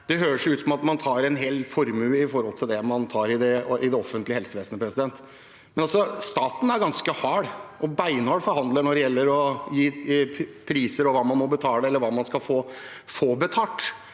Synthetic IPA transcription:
d̪̥ɛɦøːɾəʂjʊʉːt̪sɔmɑt̪mɑnt̪ʰɑːɾɛnɦeːlfɔɾmʉɪfɔɾhɔlt̪ʰɪld̪ɛmɑnt̪ʰɑːɾɪd̪ɛɪd̪ɛɔfənt̪lɪhɛlsəʋeːsənəpʰɾɛsɪd̪ɛnt̪ | mɛnɑlsɔst̪ɑːt̪n̩æɾɡɑnskəhɑːɽʔɔbæɪnɔːɽfɔɾɦɑnd̪ləɳɔɖɛjɛlːəɾɔjiː | pʰɾiːsəɾɔʋɑːmɑnmɔbət̪ʰɑːləɛlːəɾʋɑːmɑnskɑlfoː | foːbət̪ʰɑːʈ

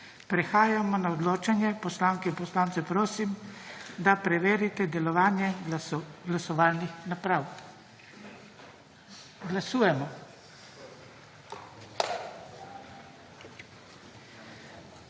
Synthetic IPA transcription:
pɾɛxaːjamɔnaɔd̪loːt͡ʃanjɛpɔslaːŋkɛinpɔslaːnt̪sɛpɾoːsimd̪apɾɛʋeːɾit̪ɛd̪ɛlɔʋaːnjɛ | ɡlasɔʋaːlnixnapɾaw | ɡlasuːjɛmɔ

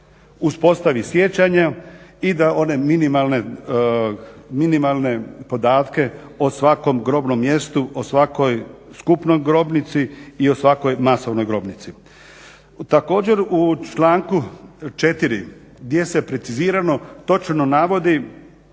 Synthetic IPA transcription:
uspo̞st̪aʋisje̞t͡ɕaɲaid̪ao̞ne̞minimalne̞ | minimalˠne̞po̞d̪aːt̪ke̞osʋako̞mɡɾo̞ːbno̞mːje̞st̪uʔosʋako̞jskupno̞jɡɾo̞bnit̪siːo̞sʋako̞jmaso̞ʋno̞jɡɾo̞bnit̪si | t̪ako̞ːd͡ʑe̞ɾut͡ʃlaːŋkut͡ʃe̞t̪iɾi | ɡd̪je̞sepɾe̞t̪siziːɾano̞t̪o̞t͡ʃnonaʋo̞d̪i

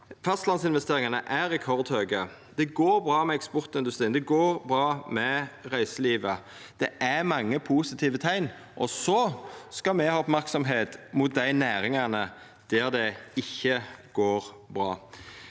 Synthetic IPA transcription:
fɑst̪lɑnsɪnʋɛst̪eːʁɪŋɑnəʔæɾɛkʰɔʁd̪høːɡə | d̪̥ɛɡoːɾbʁɑːmɛɛkspɔʁt̪ɪnd̪ʉst̪ɾiːnd̪ɛɡoːʁbʁɑːmɛʁæɪsəliːʋə | d̪̥ɛʔæmɑŋːəpʰuːsɪt̪ʰiːʋət̪ʰæɪn | ʔɔsɔskɑmɛhɑːɔpmæʁksɔmɦeːt̪mʊt̪̚d̪æɪnæːɾɪŋɑnə | d̪̥æʁd̪ɛɪçːəɡ̥oːʁ | bʁɑː

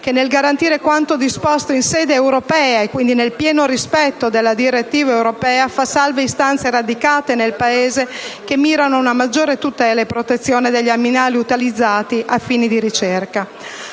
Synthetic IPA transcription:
k̟enːelɡaɾant̪iːɾekwant̪od̪ispɔst̪oinsɛːd̪eːwɾopɛːaekːwind̪inelpjɛːnoɾispɛt̪ːod̪elːad̪iɾet̪ːiːvaewɾopɛːafasalveist̪ant̪seɾad̪ikaːt̪enelpaeːzekemːiːɾanounamad͡ʒːoːɾet̪ut̪ɛːlaepːɾot̪et̪sːjoːned̪eʎːaminaːliut̪ilid̪zːaːt̪iʔafiːnid̪iɾit͡ʃerka

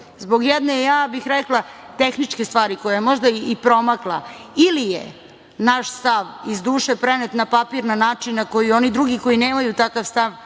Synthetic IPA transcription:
zbo̞ɡjɛd̪nejaːbixɾɛklˠa | t̪exnit͡ʂkest̪ʋaːɾiko̞jajemo̞ʒd̪aipɾo̞maklˠailijḛ | naʃst̪aʋizd̪uːʃepɾenet̪napapiɾnanaːt͡ʂinːako̞jio̞nid̪ɾuɡiko̞jineːmajut̪akaʋst̪aʋ

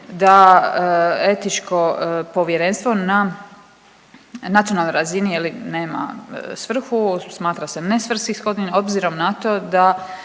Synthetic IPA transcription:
d̪aəe̞t̪it͡ʃko̞po̞ʋjeɾe̞nst̪ʋo̞na | nat̪sionalˠnojɾazinijeline̞ːma̰sʋr̩xusmaːt̪ɾase̞ne̞sʋr̩skixsko̞d̪nino̞bziɾo̞mnat̪o̞ːd̪a

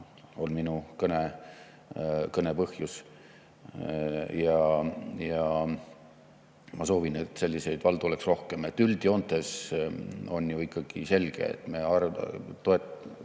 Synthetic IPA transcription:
o̞lminukɤne | kɤne̞pɤhjus | jɑjɑ | mɑso̞ːvine̞t̪ːˑse̞lʲːise̞jd̪̥vɑld̪̥uo̞leksro̞hke̞met̪ːyld̪jo̞nt̪ˑe̞s | o̞njuikːɑɡ̥ise̞lɡ̥ḛḛt̪ːˑmeɑrt̪oet̪

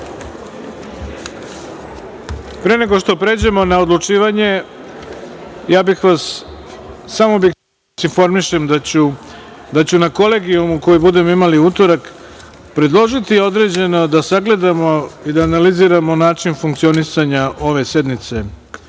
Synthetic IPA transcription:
pɾe̞ne̞ɡo̞ʃt̪o̞pɾe̞d͡ʑe̞mo̞nao̞d̪lˠut͡ʂiːʋaɲe̞ | jaːbixʋasː | amo̞bi | sinfo̞ɾmiʃe̞md̪at͡ɕu | d̪at͡ɕunako̞le̞ɡiumuko̞jibud̪e̞mo̞imaliut̪o̞ɾak | pɾe̞d̪lˠo̞ʒit̪io̞d̪ɾe̞d͡ʑe̞no̞d̪asaɡle̞d̪amo̞id̪aːnaliziːɾamo̞naːt͡ʂinfuŋk̚t̪sio̞nisaɲaʔo̞ʋe̞se̞d̪nit̪se̞

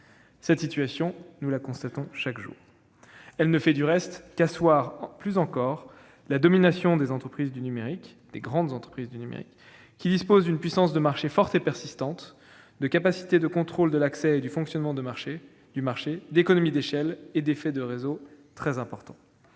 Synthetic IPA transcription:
sɛt̪sit̪ɥasjɔ̃nulakɔ̃st̪at̪ɔ̃ʃakʒṵːʁ | ɛlnəfɛd̪yʁɛst̪kaswaʁplyzɑ̃kɔʁ | lad̪ɔminasjɔ̃d̪ezɑ̃t̪χəpχizd̪ynymeʁik | d̪̥eɡʁɑ̃d̪zɑ̃t̪χə̥pχizd̪ynymḛʁḭkː | id̪ispozd̪ynpɥisɑ̃sd̪əmaʁʃefɔʁt̪epɛʁsist̪ɑ̃t̪ | d̪əkapasi̥t̪ed̪əkɔ̃t̪χold̪əlaksɛed̪yfɔ̃ksjɔnmɑ̃d̪əmaʁʃe | d̪̥ymaʁʃed̪ekɔnɔmid̪eʃɛled̪efɛd̪əʁezot̪χɛzɛ̃pɔʁt̪ɑ̰̃

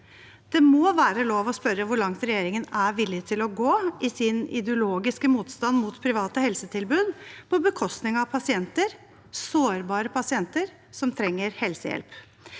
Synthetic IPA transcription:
d̪̥ɛmɔʋæːɾəloːʋɔspœɾəʋʊɭɑŋt̪ɾɛjeːɾɪŋənæʋɪlːɪt̪ʰɪlɔɡoːɪsɪnɪ̰d̪əʊloːɡɪskəmuːt̪st̪ɑnmut̪pʰɾɪʋɑːt̪əhɛlsət̪ʰɪlbʉːd̪pʰɔbəkʰɔst̪nɪŋɑpʰɑsɪɛnt̪əɾ | soːɾbɑːɾəpʰɑsɪɛnt̪əɾ | sɔmt̪ʰɾɛŋːəɾhɛlsə̰jɛ̰lp

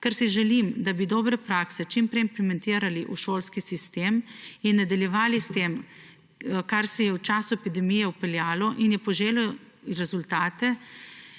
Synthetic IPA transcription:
kɛɾsiʒɛlimd̪abid̪ɔbɾɛpɾaːksɛt͡ʃimpɾɛimplɛmɛnt̪iːɾaliʔuʃoːlskisist̪eːminːad̪ɐljɛʋaːlist̪eːm | kaɾsɛjɛwt͡ʃaːsuɛpid̪ɛmijɛupɛljaːlɔʔinjɛpɔʒeːlɔ | ɾɛzult̪aːt̪ɛ

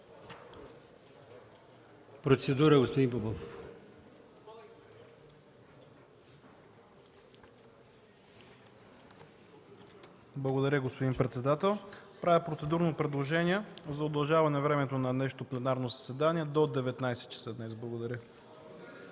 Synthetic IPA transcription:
pɾot̪sɛd̪uɾəɡospod̪impobofof | blˠɐɡod̪ɐɾʲəɡospod̪impɾɛt̪sɛd̪at̪ɛlˠpɾavʲəpɾot̪sɛd̪uɾnopɾɛd̪lˠoʒɛniɛzɐod̪ɐlˠʒavɐnɛvɾɛmɛt̪onɐnɛʃo̥t̪oplɛnaɾnozɐsɛd̪aniɛd̪od̪ɛvɛt̪najsɛt̪̚t͡ʃɐ̥səd̪nɛzblˠɐɡod̪ɐɾʲə

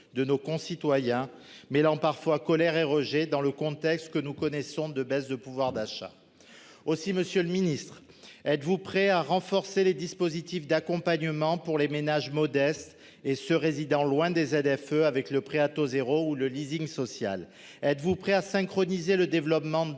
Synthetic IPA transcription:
d̪ənokɔ̃sit̪wajɛ̃ | melɑ̃paʁfwakɔlɛʁeʁəʒed̪ɑ̃ləkɔ̃t̪ɛkst̪kənukɔnɛsɔ̃d̪əbɛsd̪əpuvwaʁd̪aʃa̰ | osiməsjøləminist̪χ | ɛt̪vupχɛaʁɑ̃fɔʁseled̪ispozit̪ifd̪akɔ̃paɲəmɑ̃puʁlemenaʒmɔd̪ɛst̪ | esəʁezid̪ɑ̃lwɛ̃d̪ezɛd̪ɛføavɛkləpχeat̪ozeʁouləliziŋsɔsja̰l | ɛt̪vupχɛasɛ̃kχɔnizeləd̪evlɔpmɑ̃

